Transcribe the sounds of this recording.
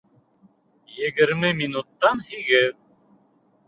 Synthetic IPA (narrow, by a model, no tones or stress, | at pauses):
jɘ̆ɡɘ̆ɾmɘminut̪ːɑnhiɡɘð